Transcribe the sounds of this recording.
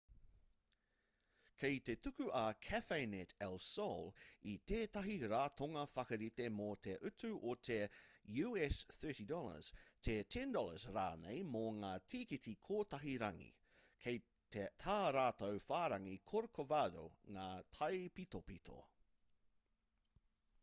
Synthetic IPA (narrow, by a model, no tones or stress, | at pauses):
kʰejt̪etʉkʉʔɐkʰæfejnetɛlˠsolit̪eːtɐɦiɾaːt̪oŋɐfɐkɐɾit̪emot̪ʰeʔʉtʉʔot̪ʰejʉːɛsθɜ˞tidɔlə̰z̥t̪ʰetʰɛ̃ndɔləzɾa̰ːnḛjmoŋaːtʰiːkitikʰoːtɐɦiɾɐŋḭ | kʰej | t̪ʰet̪ʰaːɾaːt̪owfaːɾɐŋikʰoɾokovado̰ŋaːtʰɐjpit̪opit̪ʰo̰